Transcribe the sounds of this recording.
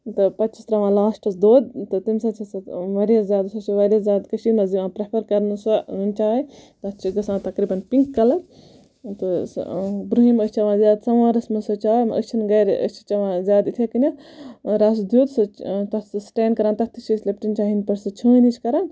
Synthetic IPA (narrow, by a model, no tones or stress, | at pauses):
t̪ɨpɐtːt͡ʃist̪ɾɐʋãːlaːsʈɐsd̪oːd̪̚t̪ɨt̪imsɐt͡ʃʰɐsɐʋɐɾjɐszʲjaːd̪sɐt͡ʃʰiʋɐɾazʲjaːd̪kɐʃimɐziʋãːpɾepʰɐɾkɐɾnɨsɐnt͡ʃaːit̪ɐt̪t͡ʃʰiɡɐsãːt̪ɐkɾiːbɐnpiŋkːɐlɐ | t̪ɨ̰ | bɾuɦimət͡ʃʰɐʋãːzjaːd̪sɐʋãːɾɐsmɐsɐt͡ʃaːjmɐʔə̰st͡ʃʰinɡɐːɾʔə̰t͡ʃʰi̥t͡ʃɐʋãːzʲjaːd̪it̪ʰekɐnʲɐɾaːsd̪juːd̪sɐt̪ɐsʈeːnkɐɾãːnt̪ɐt̪ʰit͡ʃʰislɐp̚ʈinʲt͡ʃaːɦinpɐɾsɐt͡ʃʰə̃ːnit͡ʃʰkɐɾãːn